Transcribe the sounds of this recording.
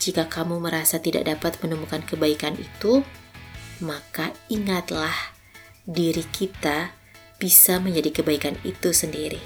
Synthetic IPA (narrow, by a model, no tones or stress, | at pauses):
d͡ʒikakamuməɾasat̪ida̰ʔ̚dapat̪̚mənumukankəbaikanḭt̪u | makaiŋat̪lah | diɾikʰit̪a | b̥isaməɲd͡ʒadikəbaikanḭt̪usəndiɾi